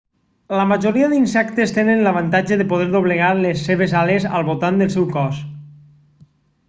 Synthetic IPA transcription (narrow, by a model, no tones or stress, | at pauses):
ləməʒoɾiaðinsɛkt̪est̪enənləβ̞ant̪ad͡ʒəðepoðɛɾðoβ̞leɣalesːeβ̞ezalezə̰lˠβot̪and̪əlˠsɛwkɔs